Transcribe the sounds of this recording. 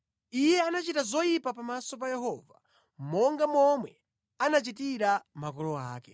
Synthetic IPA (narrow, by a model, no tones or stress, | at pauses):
ijɛanat͡ʃitazɔjipapamasɔp̬ajɛɦɔːva̰ | mɔŋɡamɔmwɛ | anat͡ʃit̬iɾamakɔlɔa̰ːkɛ